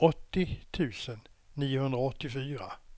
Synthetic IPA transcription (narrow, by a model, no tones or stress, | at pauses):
ɔt̪ːɪt̪ʰʉ̟ːsənːiːʊhɵnd̪ɾaɔt̪ːɪfyːɾa